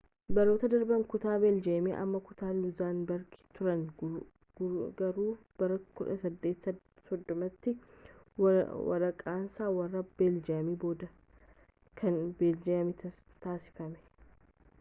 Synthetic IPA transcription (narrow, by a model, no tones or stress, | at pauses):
bɐɾo̞ːt̪ɐd̪ɐɾbɐŋkʊt̪aːbeːld͡ʒeːmeʔɐ̰mːɐkʊt̪aːlʊzaːnbɐɾɡɪ̥t̪ʊɾɐn | ɡɐɾuː | b̥ɐɾɐkʊᶑɐsɐd̪ːe̞ːt̪sɐ | sɔd̪ːɔmɐt̪ːɪ | wɐ̰ɾɐkʼaːnsaːwɐrːɐb̥eːld͡ʒɐmiːbo̞ːd̪ɐ | kʰɐnbeːld͡ʒɐɐmɪt̪t̪aːsɪ̥fɐmɛ̥